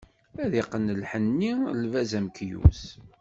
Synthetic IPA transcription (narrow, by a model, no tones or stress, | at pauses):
æðiqːənəlħənːilvæzæmkjṵs